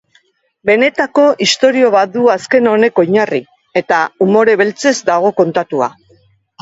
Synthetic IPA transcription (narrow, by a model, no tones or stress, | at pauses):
be̞ne̞t̪ako̞ʔist̪o̞ɾio̞β̞at̪̚d̪uaske̞no̞ne̞koɲari | e̞t̪aumo̞ɾe̞βe̞lt͡se̞zd̪aɣ̞o̞ko̞nt̪at̪ua̰